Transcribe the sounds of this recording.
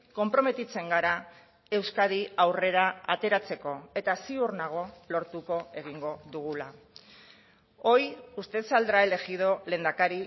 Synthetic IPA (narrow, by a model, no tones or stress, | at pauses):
ko̞mpɾo̞me̞t̪it͡se̞ŋɡaɾa | e̞wskaðiawre̞ɾaa̰t̪e̞ɾat͡se̞ko̞e̞t̪asiurnaɣ̞o̞lo̞ɾt̪uko̞e̞ɣiŋɡo̞ðuɣ̞ula | o̞just̪e̞sald̪ɾae̞le̞ɣiðo̞leːnd̪akaɾi